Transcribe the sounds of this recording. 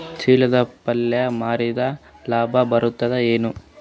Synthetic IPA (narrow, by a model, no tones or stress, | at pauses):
t͡ʃiːɭɐd̪ɐpɐlːjɐmaːɾid̪ɐ | laːbʱɐbɐɾut̪ːɐd̪eeːnu